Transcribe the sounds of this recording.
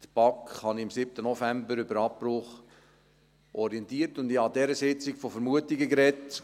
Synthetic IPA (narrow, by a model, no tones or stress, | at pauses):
t̪pɑkhɑnɪmsɪp̚tənɔfæmbəɾʏbəɾɑpːrʊχ | ʔɔɾiɛntiːərtʊndɪɑdɛɾəsɪt͡sɪkfofəɾmuətiɡəɡɾɛt